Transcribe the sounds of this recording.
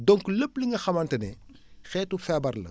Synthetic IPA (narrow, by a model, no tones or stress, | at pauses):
dɔŋkləpliŋɡɐxɐmɐntɐnɛ | xɛːtufɛbɐɾlɐ̰